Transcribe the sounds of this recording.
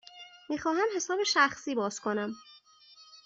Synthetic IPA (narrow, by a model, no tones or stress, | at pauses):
miːxɒːɦæmhe̞sɒːbe̞ʃæxsiːbɒːzkʰo̞næm